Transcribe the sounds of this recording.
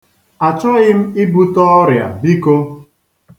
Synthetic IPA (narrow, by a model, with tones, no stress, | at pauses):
a˨t͡ʃɔ˦ɣɪ˦m̩˦i˦bu˦tɔ˦ɔ˦ɾja̰˨bi˦ko˦